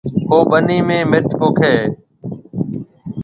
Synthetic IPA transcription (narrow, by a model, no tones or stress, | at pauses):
ɦoːɓəniːmẽːmɪɾt͡ʃpoːkʰeː